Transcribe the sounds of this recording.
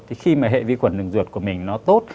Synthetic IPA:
t̪ʰi˨˩xi˧maː˨˩ɦḛ˧˨vḭ˧˦xwə˧˩nɗɨ̰˨˧˩ŋzɨ˨˩ət̚ku˧˩əmï˨˩ŋ̟nɔ˨˦t̪o˦˥t̚

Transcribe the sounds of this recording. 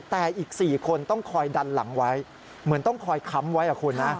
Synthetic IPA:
t̪ɛː˨˩ʔiː˨˩k̚siː˨˩kʰo˧nt̪ɔ˥˩ŋkʰɔː˧jda˧nla̰˩˦ŋwa˦˥j | mɯ˩˦ənt̪ɔ˥˩ŋkʰɔː˧jkʰa˦˥mwa˦˥jʔa˨˩kʰuː˧nːa˦˥

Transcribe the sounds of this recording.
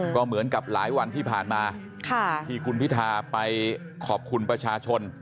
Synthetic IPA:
kɔː˥˩mɯ˩˦ənka˨˩p̚laː˩˦jwa˧nt̪ʰiː˥˩pʰaː˨˩nmaː˧ | kʰa˥˩t̪ʰiː˧˩kʰu˧npʰi˦˥t̪ʰaː˧pa˧j | kʰɔː˨˩p̚kʰu˧npɾa˧t͡ɕʰaː˧t͡ɕʰo˧n

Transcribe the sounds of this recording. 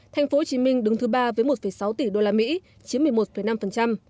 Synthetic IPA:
t̪ʰa˨˩jŋ̟fo˨˦ho˨˩t͡ɕi˨˦mï˧ŋ̟ɗɨ˨˦ŋt̪ɨ˨˦ɓaː˧vəː˨˦jmo˨˩t̚fə˨˩jsa˨˦wt̪i˧˩ɗo˧laː˧mḭ˧˥ | t͡ɕi˨˦ənmɨ˨˩əjmo˨˩t̚fə˨˩jna˧mfə˨˩nt͡ɕa˧m

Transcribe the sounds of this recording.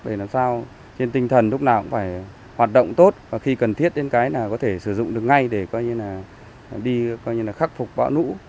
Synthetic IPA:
ɗə˧˩naː˨˩msaː˧w | t͡ɕe˧nt̪ï˧ŋt̪ʰə˨˩nlʊ˦˥k͡p̚naː˨˩wkʊ̰˧˥ŋ͡mfaː˧˩j | hwaː˨˩t̚ɗə̰˧˨wŋ͡mt̪o˦˥t̚vaː˨˩xi˧kə˨˩nt̪ʰi˦˥ət̚ɗe˨˧nkaː˨˦jnaː˨˩kɔ˨˦t̪ʰe˧˩sɨ˧˩zʊ̰˧˨ŋ͡mɗɨ˨˩ək̚ŋa˧jɗe˧˩kɔ˨˧jɲɨ˧laː˨˩ | ɗi˧kɔ˧jɲɨ˧laː˨˩xa˦˥k̚fʊ˨˩k͡p̚ɓa̰˧˥wnṵ˧˥

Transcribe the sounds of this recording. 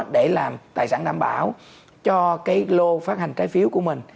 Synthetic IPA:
ɗe˧˩laː˨˩mt̪aː˨˩jsaː˧˩nɗa̰ː˧˩mɓaː˧˩w | t͡ɕɔ˧kaː˨˦jlo˧faː˦˥t̚ha˨˩jŋ̟t͡ɕaː˨˦jfi˨˦əwku˧˩əmï˨˩ŋ̟

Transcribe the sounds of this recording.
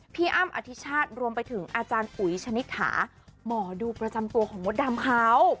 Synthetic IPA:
pʰiː˧ʔa˧˥˩mʔa̰˧t̪ʰi˦˥t͡ɕʰaː˥˩t̪̚ɾu˧əmpa˧jt̪ʰɯ˩˦ŋʔaː˧t͡ɕaː˧nʔu˨˩˦jt͡ɕʰa˧ni˦˥t̪̚hʰa̰ː˩˦ | mɔː˩˦duː˧pɾa˧t͡ɕa˧mt̪u˧ɐkʰɔː˩˦ŋmo˦˥t̪̚daː˧mkʰaː˦˥w

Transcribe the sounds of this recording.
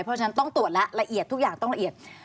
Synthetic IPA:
jpʰɔ˦˥t͡ɕʰa˧˩na˦˥nt̪ɔ˥˩ŋt̪u˨˩ət̪̚la˦˥ʔɾa˧ʔi˨˩ət̪ʰːu˦˥k̚jaː˨˩ŋt̪ɔ˥˩ŋɾa˧ʔi˨˩ət̪̚

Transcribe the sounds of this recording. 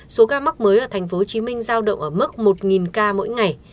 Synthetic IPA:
so˨˦ɣaː˧ma˦˥k͡p̚məː˨˦jʔəː˧˩t̪ʰa˨˩ŋ̟fo˨˦t͡ɕi˨˦mï˧ŋ̟zaː˧wɗə̰˧˨wŋ͡mʔəː˧˩mɨ˦˥k̚mo˨˩t̚ŋi˨˩nkaː˧mo̰˧˥jŋa˨˩j

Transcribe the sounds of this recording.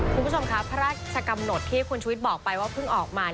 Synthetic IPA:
kʰu˧nbu˦˥t͡ɕʰo˧mkʰa˦˥pʰa˦˥ɾaː˥˩t͡ɕʰa˧ka˧mno˨˩t̪ʰːiː˥˩ku˧nt͡ɕʰu˧i˦t̪̚bɔː˨˩k̚pa˧jwaː˥˩pʰɯ˥˩ŋʔɔː˨˩k̚maː˧

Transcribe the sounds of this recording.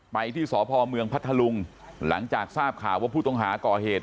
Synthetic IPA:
pa˧jt̪ʰiː˥˩sɔː˩˦pʰɔː˧mɯ˧əŋpʰa˥t̪ʰːa˧lu˧ŋ | la̰˩˦ŋt͡ɕaː˨˩k̚saː˥˩p̚kʰaː˨˩wːaː˥˩pʰuː˥˩t̪o˥˩ŋɦaː˩˦kɔː˨˩heː˨˩t̪̚

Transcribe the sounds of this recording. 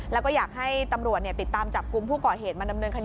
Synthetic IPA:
lɛː˦˥wkɔː˥˩jaː˨˩k̚ɦa˥˩jt̪a˧mɾu˨˩ət̪̚ni˥˩t̪i˨˩t̪ːaː˧mt͡ɕa˨˩p̚ku˧mpʰuː˥˩kɔː˨˩ɦheː˨˩t̪̚maː˧da˧mnɤː˧nkʰː

